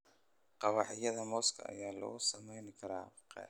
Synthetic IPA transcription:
qɑβɑʕɪjɐðɐmɔːskʰɐ̰ɐ̰jaːlɐ̰ɣʊsɐmɛjnɪkʰɐɾaːqɛ̰

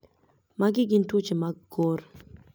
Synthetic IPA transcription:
maɡɪɡɪntut͡ʃimaɡor

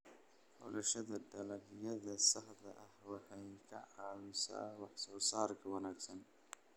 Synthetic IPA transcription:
bɔ̰lɐʃɐðɐɖɐlɐɡjɐðɐsɑħd̪ɐʔɐhwɑħɑjkʰɐʕɑːwɪsa̰ːwɑħsɔːsaːrkʰɐwɐnaːɡsɐn

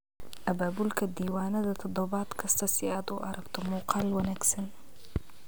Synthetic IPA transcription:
ʔɐbaːbʊlkʰɐd̪iːwaːnɐðɐt̪ʰɐd̪ɔbɑːt̪kʰɐst̪ʰɐsiaːd̪uʔɐɾʔɐkt̪ʰʊmuqɑːlwɐnaksɐn

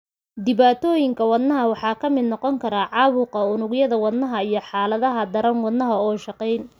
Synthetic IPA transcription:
d̪ɪβaːt̪ʰɔːjɪŋkʰɐwɐd̪nɐɦɐwɑħɑːkʰɐmɪd̪nɔqɔŋkʰɐɾaːʕɑːwʊqɐʊnʊɣjɐðɐwɐd̪nɐɦɐijɞħɑːlɐðɐɦɐd̪ɐɾɐnwɐd̪nɐɦɐɔːʃɑqɛjn

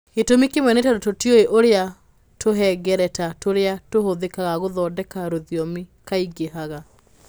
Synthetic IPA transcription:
ketomikemwɛnetadototjoeʔoɾea | tʰoɦɛɡɛɾɛtatoɾeatohoðekaɣaɣoðɔːdɛkaɾoðjɔmikaiɡehaɣa

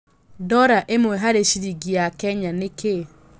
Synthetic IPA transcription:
dɔɾaʔemwɛɦaɾeʃiɾiɡiakɛɲaneke

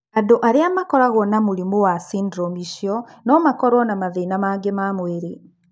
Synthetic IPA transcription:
adoʔaɾeamakɔɾaɣɔnamuɾimowasiːndɾɔmiʃjɔnɔmakɔɾwɔnamaðenamaɡemamweɾe

